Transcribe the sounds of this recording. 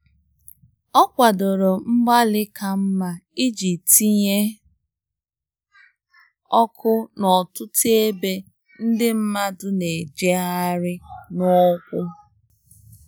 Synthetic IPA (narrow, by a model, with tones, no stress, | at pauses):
ɔ˦kʷa˨do˨ɾo˨m̩˦ɡ͡ba˦lɪ˦kʰa˨m̩˦ma˦i˦d͡ʒi˨ti˦ɲe˦ | ɔ˦kʰʊ˦nɔ˨tʊ˦tʰe˦be˦ | n̩˦dɪ˦m̩˦ma˦dʊ˦ne˨d͡ʒe˦a˦ɾɪ˦nɔ˦kʷʊ˦